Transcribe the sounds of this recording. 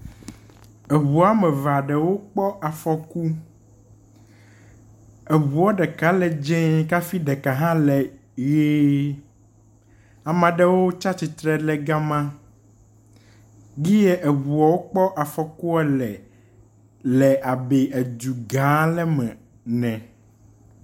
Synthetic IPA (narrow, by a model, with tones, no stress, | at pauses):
e˨wu˨a˦mɛ̃˨va˨ɖɛ˨wo˦k͡pɔ˦ʔa˨fɔ˨ku˦ | e˨βu˨ɔ˦ɖɛ˨ka˦lɛ˨d͡ʒɛ̃˦ka˦fi˦ɖɛ˨ka˨ɦã˦lɛ˨ | je˦ | a˨mã˨ɖɛ˦wo˦t͡ʃa˦t͡ɕi˨t̪ɾɛ˨lɛ˨ɡa˦mã˦ | ɡi˦je˦ʔe˨wu˨a˨wo˦k͡pɔ˦ʔa˨fɔ˨ku˦ɛ˦lɛ˨ | lɛ˨ʔa˨be˨ʔe˨d͡ʒu˨ɡã˨˦lɛ˦mɛ̃˨ | nɛ̃˨